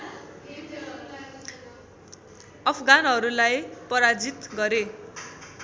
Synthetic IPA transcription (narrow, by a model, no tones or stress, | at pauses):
ʌpʰʌɡanɦʌɾulajpʌɾad͡zit̪ɡʌɾe